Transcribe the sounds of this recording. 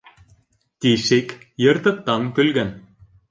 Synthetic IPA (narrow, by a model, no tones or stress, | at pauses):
t̪ʲiʃekjɤ̆rt̪ɤ̆k̚t̪ːɑŋkɵ̆lɡæn